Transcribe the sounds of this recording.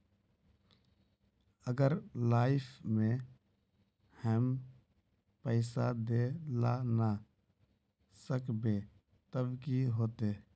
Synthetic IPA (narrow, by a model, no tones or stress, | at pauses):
əɡəɾlaːɪpʰmẽ | həm | pəɪsad̪elana | səkbe | t̪əbkiɦoːt̪eː